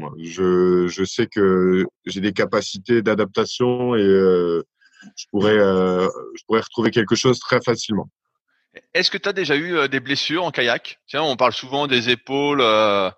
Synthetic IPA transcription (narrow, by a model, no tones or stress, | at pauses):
mwaʒəʒəsɛkəʒed̪ekapasit̪ed̪ad̪ap̚t̪asjɔ̃eø | ʒ̥əpuʁɛøʒəpuʁɛʁə̥t̪χuvekʲɛlkəʃozt̪χɛfasilmɑ̃ | ɛskət̪yad̪eʒayød̪eblesyːʁɑ̃kajakt̪yɛ̃ɔ̃paʁlsuvɑ̃d̪ezepolø